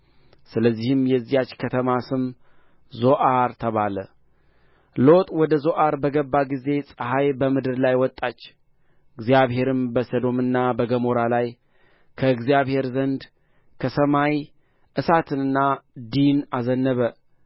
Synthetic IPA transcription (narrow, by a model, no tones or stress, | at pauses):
sɨləzːihɨmjɛzːijat͡ʃːkʰət̪ʰəmasɨm | zo̞ʔaɾt̪ʰəβalə̰ | lo̞t̪ʼwɔd̪əzo̞ʔaɾbəɡəbːaɡize̞sʼəɦajbəmɨd̪ɨɾlajwɔt̪ʼːat͡ʃː | ɨɡzijaβhe̞ɾɨmbəsəd̪o̞mɨnːabəɡəmoɾalaj | kʰəɨɡzijaβhe̞ɾzənd̪ | kʰəsəmaj | ʔɨsat̪ʰɨnɨnːad̪inazənːəβə